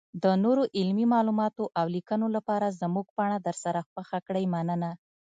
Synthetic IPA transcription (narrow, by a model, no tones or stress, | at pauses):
d̪ənoɾoʔɪlmimɑlumɑt̪oʔawlikənolapɑɾazmuɡ̚paɳad̪əɾsaɾaxwəxakɽəjmanəna